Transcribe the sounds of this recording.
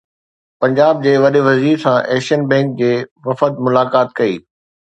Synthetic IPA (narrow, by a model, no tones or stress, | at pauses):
pɐ̃ɲd͡ʑaːb̚d͡ʑeːʋɐɗeʋɐziːɾsãʔɛːʃənbɛ̃ːŋk̚d͡ʑeːʋɐfət̪̚mʊlaːkaːt̪kɐḭː